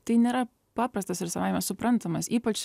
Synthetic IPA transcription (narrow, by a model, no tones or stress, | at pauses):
t̪ɐɪnʲeːɾɐ | pɑːpɾɐst̪ɐsʋʲɪɾsɐʋɑːjmɐsʊpɾɐnt̪ɐmɐsʲiːpɐt͡ʃ